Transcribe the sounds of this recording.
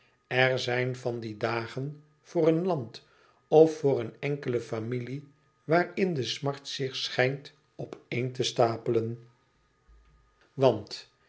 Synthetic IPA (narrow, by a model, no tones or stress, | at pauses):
ɛɹzɛjnvɑndidaːχən | v̥ʊːrənlɑnt | ɔfːʊːɾənɛŋkələfamili | ʋaːɹɪndəsmɑɹtsɪχsχɛjnt | ɔpejntəstaːpələn | ʋɑnt